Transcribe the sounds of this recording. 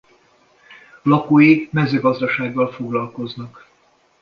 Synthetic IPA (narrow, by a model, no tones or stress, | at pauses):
lɒkoːjimɛzøːɡɒzd̪ɒʃaːɡːɒlfo̞ɡlɒlko̞znɒk